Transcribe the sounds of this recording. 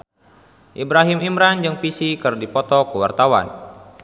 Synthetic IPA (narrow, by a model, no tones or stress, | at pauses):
ʔibɾaɦimimɾand͡ʒɨŋpisikɨrdipɔt̪ɔkəwa̰rt̪awa̰n